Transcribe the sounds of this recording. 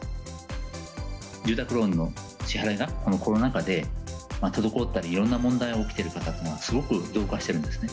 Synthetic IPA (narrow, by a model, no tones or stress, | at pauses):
ɾɨːt̪akɯ̟ɾo̞nːo̞ | ɕihaɾaɡakono̞ko̞ɾonakad̪e̞mat̪od̪o̞ko̞t̪ːaɾʲiːɾõ̞nːamõ̞nd̪aio̞ːkʲi̥t̪eɾɯ̟kat̪at̪ːenoɡasɨɡo̞kɯ̟d̪o̞ːkaɕi̥t̪e̞ɾɯ̟̃nd̪e̞sɨ̥ne̞